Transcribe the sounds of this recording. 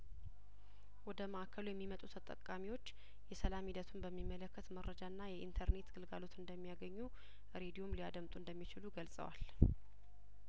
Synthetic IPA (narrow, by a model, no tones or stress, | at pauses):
wɔd̪əməʔakʰːəlujɛmːimət̪ʼut̪ʰət̪ʼə̰kʼːamiwo̞t͡ʃː | jɛsəlamhid̪ət̪ʰumbəmːimːələkːət̪məɾːəd͡ʒanːajɛʔḭnt̪ʰəɾne̞t̪ɡ̥ɨlɡalo̞t̪ɨnd̪əmːijaɡəɲːu | ɾe̞d̪iomliad̪əmt̪ʼuɨnd̪əmːit͡ʃɪluɡəlsʼə̰wa̰l